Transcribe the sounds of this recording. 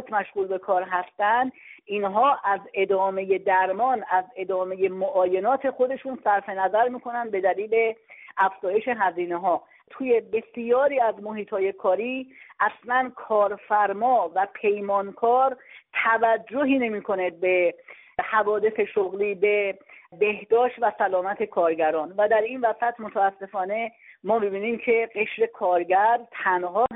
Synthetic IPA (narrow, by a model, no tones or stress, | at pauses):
t̪mæʃɣuːlbe̞kʰɒːɾɦæst̪ænd̪ʔinɦɒːʔæze̞d̪ɒːme̞je̞d̪æɾmɒːnæze̞d̪ɒːme̞je̞moʔɒːje̞nɒːt̪ʰe̞xo̞d̪e̞ʃunsæɾfe̞næzæɾmiːkʰo̞nænd̪̚be̞d̪æliːle̞ʔæfz̥ɒːje̞ʃe̞ɦæziːne̞ɦɒː | t̪ʰuːje̞be̞sjɒːɾiːæzmoɦiːt̪hɒːje̞kʰɒːɾiːʔæslænkʰɒːɾfæɾmɒːvæpʰe̞jmɒːnkʰɒːɾt̪ʰævæd͡ʒːoɦiːne̞miːkʰo̞ned̪̚be̞ | hævɒːd̪e̞seʃoɣliːbe̞be̞hd̪ɒːʃt̪væsælɒːmæt̪ʰe̞kʰɒːɾɟæɾɒːnvæd̪æɾiːnvæsæt̪ʰmot̪ʰææsːe̞fɒːne̞mɒːmibiːniːmcʰe̞ɢe̞ʃɾe̞kʰɒːɾɟæɾt̪ʰænɦɒ